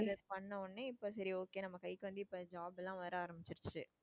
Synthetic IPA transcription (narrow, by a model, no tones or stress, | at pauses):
ɐðɐpɐɳːɐɔɳːeɪpːoːsɐɾioːkeːnɐmːɐkɐjkːɯʋɐnd̪ɯɪpːoːd͡ʒaːbɛlːãːʋɐɾaːɾɐmbɪt͡ʃːɪɾt͡ʃːɯ